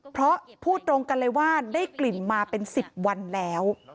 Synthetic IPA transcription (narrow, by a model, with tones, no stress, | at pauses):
pʰɾɔ˦˥ʔpʰuː˥˩t̪ɾo˧ŋka˧nlɤ˧jwaː˥˩daː˥˩jkli˨˩nmaː˧pe˧nsi˨˩p̚wa˧nlɛː˦˥w